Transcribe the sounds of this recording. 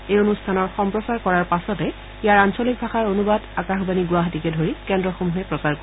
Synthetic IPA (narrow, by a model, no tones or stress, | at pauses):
ejonustʰanɔɹxɔmpɹɔsaɹkɔɹaɹpasɔtɛ | ijaɹansolik̚bʱaxaɹonubadakaxbaniɡʊwaɦatikɛdʱoɹikɛndɹɔxomuɦɛpɹɔsaɹko